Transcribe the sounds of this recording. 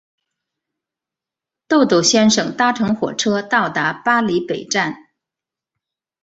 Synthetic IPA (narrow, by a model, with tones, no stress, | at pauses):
t̪o˥˧ʊt̪o˥˩ʊɕjɛ˥nʂɤ˨˩ŋt̪a˥ʈ͡ʂʰɤ˧˥ŋxwɔ̰˨˩ʈ͡ʂʰɤ˥t̪ɑ˥˩ʊt̪a˧˥pa˥li˧˥pe˨˩ɪʈ͡ʂa˥˩n